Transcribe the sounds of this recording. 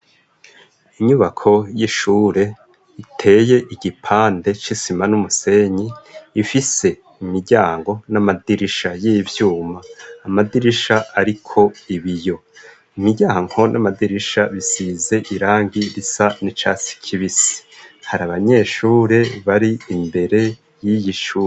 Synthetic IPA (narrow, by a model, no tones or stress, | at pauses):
iɲuβakʰo̞jiʃuːɾe̞ | itʰe̞ːje̞ʔiɟipʰaːnde̞t͡ʃisimanumuse̞ɲiːfise̞ | imiɾɟaːŋɡo̞namadiɾiʃajiːvjuːmaːmadiɾiʃaaɾikʰo̞iβijo̞ | imiɟaːŋ̥ho̞nʔamadiɾiʃaβisize̞ʔiɾaːŋɡiɾisanit͡ʃasi̥kʰiβisi̥haɾaβaɲe̞ʃuːɾe̞βaɾiːmbe̞ɾe̞ | jijiʃuː